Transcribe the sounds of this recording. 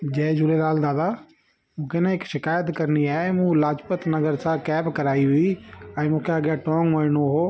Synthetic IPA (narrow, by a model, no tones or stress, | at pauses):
d͡ʒɛːd͡ʒʊlelaːld̪aːd̪a | mũːkʰeneɪkʃɪkaːjət̪kɐɾniaːemũlaːd͡ʒpət̪nɐɡəɾsãkɛːbkɐɾaːiɦʊiɛ̃ːmũːkʰeɐɡjaʈɔːŋɡmɐɾɪnoɦoː